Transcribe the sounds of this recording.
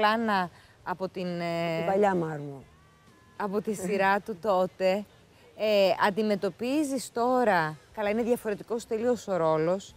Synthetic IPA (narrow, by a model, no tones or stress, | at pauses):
lɐnɐː | po̞t̪invɐʎɐmɐɾmu | ɐpo̞t̪isiɾɐt̪ut̪o̞t̪e̞ | ɐnd̪ime̞t̪o̞pizist̪o̞ɾɐkɐlɐine̞ðʝɐfo̞ɾe̞t̪iko̞st̪elioso̞ɾo̞lo̞s